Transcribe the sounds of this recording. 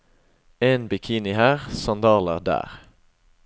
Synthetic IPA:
eːnbɪkʰiːnɪhæːʁsɑnd̪ɑːləʁd̪æ̰ːʁ

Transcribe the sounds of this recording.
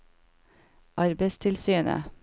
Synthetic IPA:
ʔɑɾbəɪst̪ʰɪlsyːnə̰

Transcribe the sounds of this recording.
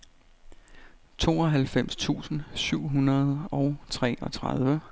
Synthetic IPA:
t͡sʰo̝̰ːɒ̽ɦælfem̰st͡sʰṵːsn̩syʊ̰ɦunɐðˠɒ̽ʊt͡sʰʁɛ̰ːʔɒ̽t͡sʰʁaðˠʋə

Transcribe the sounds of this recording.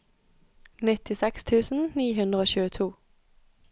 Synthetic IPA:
nɪt̪ɪsɛkst̪ʰʉːsn̩niːɦʉnd̪ʁəoːçʉːət̪ʰuː

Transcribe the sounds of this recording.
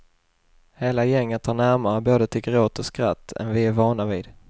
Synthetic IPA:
heːlajɛŋːət̪ʰːɑːɳæɾmaɾəboːd̪ət̪ʰɪɡɾoːt̪ʰɔskɾat̪ːɛ̰nvɪæɾvɑːɳaviːd̪

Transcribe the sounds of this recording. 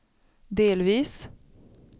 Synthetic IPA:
d̪eːlʋiːs

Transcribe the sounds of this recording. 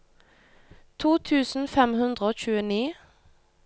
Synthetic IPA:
t̪ʰuːt̪ʰʉːsn̩fɛmhʉnd̪ʁəoːc͡çʉːəniː

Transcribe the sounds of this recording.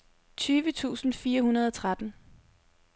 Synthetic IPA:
t͡sʰyːʋət͡sʰṵːsn̩fiːɐhunɐð̞ˠɒt͡sʰʁad̥n̩

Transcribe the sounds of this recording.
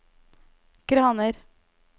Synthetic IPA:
kɾhɑnəɾ

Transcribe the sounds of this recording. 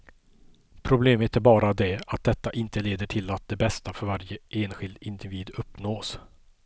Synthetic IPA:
pʰɾʊbleːmət̪æɾbɑːɾad̪ɛat̪̚d̪ɛt̪ːaʔɪnt̪əleːd̪əʈʰɪlat̪̚d̪ɛbɛst̪afœɾvaɾjəeːnɧɪld̪ɪnd̪ɪviːd̪ɵpːnoːs

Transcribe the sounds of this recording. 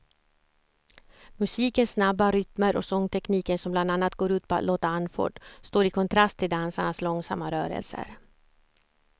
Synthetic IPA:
mɵsiːkənsːnabːaɾʏt̪məɾʔɔ̰sɔŋːt̪ʰɛkniːkənsɔmbland̪anːat̪̚ɡoːɾʉ̟ːt̪̚pʰɔa̰t̪loːt̪aanːfɔ̰ːɖst̪oːɾɪkʰɔnt̪ʰɾast̪ʰːɪld̪ansaɳaslɔŋsamːaɾœːɾə̰lsə̰ɾ

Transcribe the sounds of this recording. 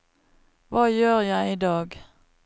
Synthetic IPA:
ʋɑːjøːʁjæɪiːd̪ɑːɡ

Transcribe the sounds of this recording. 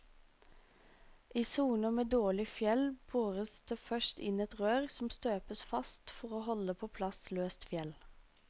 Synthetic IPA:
ʔiːsuːnəmeːd̪oːɭɪfjɛlb̥uːʁəsd̪̥eːfœʃt̪ɪ̰nɛt̪ʁøːʁsɔm̩st̪øːpəsfɑst̪fɔʁoːhɔləpʰoːpʰlɑsløːst̪fjɛl

